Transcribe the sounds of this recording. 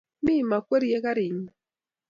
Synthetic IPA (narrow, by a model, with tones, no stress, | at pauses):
mi˦˨ma˨kʷwe˦ɾi˦je˦ka˦ɾi˨n˨